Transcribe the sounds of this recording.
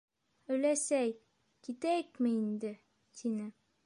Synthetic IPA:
ɵ̆jlæsæj | kit̪æjɘkmɘind̪ɘ | t̪ʰinɘ

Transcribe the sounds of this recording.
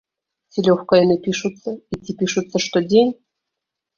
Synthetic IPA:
sʲilʲoxkɑjnɨpʲiʃut̪t͡sːəit̪ʲːipʲiʃut̪t͡sːəʃt̪odʲenʲ

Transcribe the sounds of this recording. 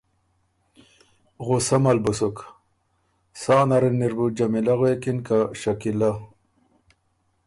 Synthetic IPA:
ɣusamɐlbusuk | saːnaɾenːiɾbud͡ʑamilaɣoekinkaɕakila

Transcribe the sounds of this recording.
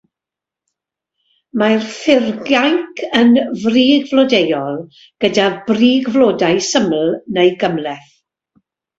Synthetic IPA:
marθɪrɡjajkʰənvriːɡvlɔdejɔlˠ | ɡ̥ədabriːɡvloːdajsəml̩ˠnejɡəmlɛθ

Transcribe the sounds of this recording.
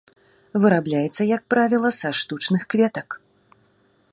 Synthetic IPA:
vɨɾablʲajɛt̪sːɐjɐk̚pɾavʲilˠɐsaʂt̪ut͡ʂnɨxkvʲɛt̪ɐk

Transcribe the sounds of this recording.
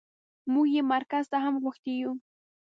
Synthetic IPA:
mʊjɪmaɾkast̪axamwakt̪ɪjʊ

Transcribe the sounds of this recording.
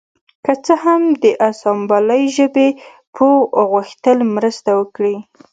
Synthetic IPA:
kət͡səhamd̪əʔasɑmbɑləjʒəbe | pʰəɣəxt̪əlmɾəst̪awəkɽi

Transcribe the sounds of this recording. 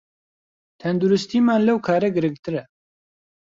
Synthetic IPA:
t̪ʰɛnd̪uɾɨst̪iːmaːnlɐwkʰaːɾɛɡɨɾɨŋɡ̚t̪ʰɨɾɛ

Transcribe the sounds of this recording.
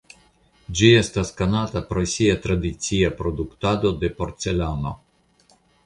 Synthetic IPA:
d͡ʒiest̪askanat̪apɾosʲijat̪ɾad̪ʲit̪siapɾod̪ukt̪ad̪od̪epoɾt̪selano

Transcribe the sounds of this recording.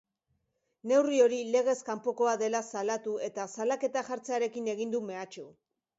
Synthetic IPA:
ne̞wrio̞ɾile̞ɣe̞skampo̞ko̞aðe̞lasalat̪ue̞t̪asalake̞t̪axaɾt͡se̞aɾe̞kine̞ɣ̞ind̪ume̞at͡ʃu

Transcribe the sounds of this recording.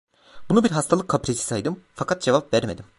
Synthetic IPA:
bunubiɾɦast̪ʰalˠɯkʰːapɾesi̥sajd̪ɯmfakʰat̪̚d͡ʒevapvæɾme̞d̪im

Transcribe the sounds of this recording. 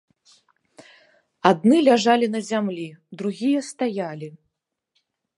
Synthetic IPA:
ad̪̚nɨlʲaʐalʲinɐzʲamlʲid̪ɾuɣʲijɐst̪ajalʲi

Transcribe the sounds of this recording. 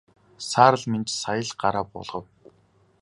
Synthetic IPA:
saːɾə̆ɮment͡ɕsajə̆ɮɢaɾaːpɔ̰ɮʁə̆w

